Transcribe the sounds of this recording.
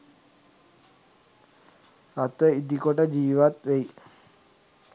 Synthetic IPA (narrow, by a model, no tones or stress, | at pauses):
at̪əid̪ikoʈəd͡ʒiːʋat̪ʋei